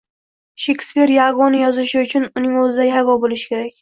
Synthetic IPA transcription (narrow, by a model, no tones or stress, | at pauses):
ʃekʲspiɾjaɡɒnɪjɒzɪʃɪʊt͡ʃʰʊnʊnɪŋɵzɪd̪ajavɒbolɪʃɪ̥kʲʰe̞ɾakʲ